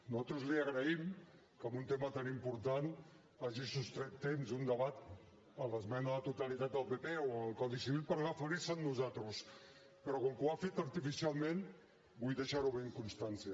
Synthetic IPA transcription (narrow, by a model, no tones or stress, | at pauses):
nuzat̪ɾuzliaɣ̞ɾəim | kamunt̪emat̪animpuɾt̪an | aʒisust̪ɾɛt̪t̪ːemzund̪əβat̪ | ələzmɛnaðət̪ut̪alit̪at̪̚d̪əlˠpepeoalˠkɔðisiβilpəɾɣafaɾisannːuzat̪ɾus | pəɾɔkoŋkuafet̪aɾt̪ifisialˠmẽn | bujðeʃaɾuβeŋkunst̪ansia